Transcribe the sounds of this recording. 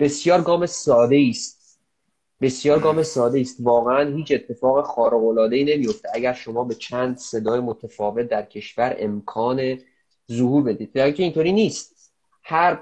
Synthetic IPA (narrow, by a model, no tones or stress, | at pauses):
b̥e̞sjɒːɾɡɒːme̞sɒːd̪e̞iːst̪̚ | be̞sjɒːɾɡɒːme̞sɒːd̪eiːst̪vɒːɣeænhiːt͡ʃe̞t̪ʰːe̞fɒːɣexɒːɾeɣolɒːd̪e̞iːne̞mijo̞ft̪eæɟæɾʃo̞mɒːbe̞t͡ʃʰæːnd̪se̞d̪ɒːjemot̪ʰefɒːve̞t̪̚d̪æɾcʰe̞ʃvæɾe̞̰mkʰɒːne̞ | zohuːɾbe̞d̪iːd̪̚æicʰeint̪ʰoːɾiːniːst̪̚ | hæɾ